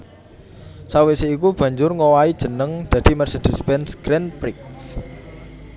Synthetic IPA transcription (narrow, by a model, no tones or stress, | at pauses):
saweseikub̥ä̤ɲd͡ʒʊrŋowaid̥ʒ̥ə̤nəŋd̪̥ä̤d̪̥i̤mɛrsed̪̥i̤spɛnsɡ̥ɾɛnpɾɪks